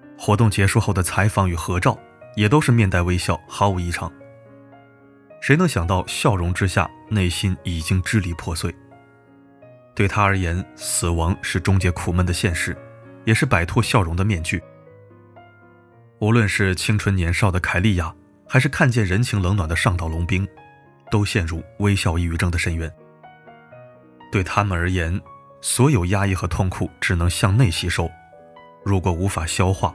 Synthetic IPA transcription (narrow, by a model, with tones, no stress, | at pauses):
xwɔ˧˥t̪ʊ˥˩ŋt͡ɕjɛ˧˥ʂu˥˧xo˥˩ʊd̪ə˩t͡sʰa˧˥ɪfɑ˧˥ŋy˨˩xɤ˧˥ʈ͡ʂɑ˥˩ʊ | jɛ˨˩t̪̬o˥ʊʂɻ̩˥˧mjɛ˥˧nt̪a˥˩ɪwe˥ɪɕjɑ˥˩ʊxɑ˧˥ʊu˧˩i˧˥ʈ͡ʂʰɑ̰˧˥˦ŋ | ʂe˧˥ɪnɤ˧˥ŋɕjɑ˨˩ŋt̪ɑ˥˧ʊɕjɑ˥˩ʊɻʊ˧˥ŋʈ͡ʂɻ̩˥ɕja̰˥˩ne˥˩ɪɕi˥ni˨˩t͡ɕi˥ŋʈ͡ʂɻ̩˥li˨˩pʰwɔ˥˧swe˥˩ɪ | t̪we˥˩ɪt̪ʰa˥ə˞˧˥jɛ˧˥nsɹ̩˨˩wɑ˧˥ŋʂɻ̩˥˩ʈ͡ʂʊ˥ŋt͡ɕjɛ˧˥kʰu˨˩mə˥˩nd̪ə˩ɕjɛ˥˧nʂɻ̩˥˩jɛ˨˩ʂɻ̩˥˩pa˨˩ɪt̪ʰwɔ˥˧ɕjɑ˥˩ʊɻʊ˧˥ŋd̪ə˧mjɛ˥˧nt͡ɕy˥˩ | u˧˥lwə˥˧nʂɻ̩˥˩t͡ɕʰi˥ŋʈ͡ʂʰwə˥njɛ˧˥nʂɑ˥˩ʊd̪ə˩kʰa˨˩ɪli˥˧ja˥˩ | xa˧˥ɪʂɻ̩˥˧kʰa˥˧nt͡ɕjɛ˥˩nɻə˧˥nt͡ɕʰi˧˥ŋlɤ˧˥ŋnwa˨˩nd̪ə˦ʂɑ˥˧ŋt̪ɑ˥˩ʊlʊ˧˥ŋpi˥ŋ | t̪o˥ʊɕjɛ˥˧nɻu˥˩we˥ɪɕjɑ˥˧ʊi˥˩y˧˥ʈ͡ʂɤ˥˧ŋd̪ə˨˩ʂə˥˩nɥɛ˧˥n | t̪we˥˩ɪt̪ʰa˥mə˨nə˞˧˥jɛ˧˥n | swɔ˧˥jo˨˩ʊja˥i˥˩xɤ˧˥t̪ʰʊ˥˩ŋkʰu˨˩ʈ͡ʂɻ̩˨˩nɤ˧˥ŋɕjɑ˥˧ŋne˥˩ɪɕi˧˥ʂo˥˩ʊ | ɻu˧˥kwɔ˨˩u˧˥fa˨˩ɕjɑ˥ʊxwa˥˩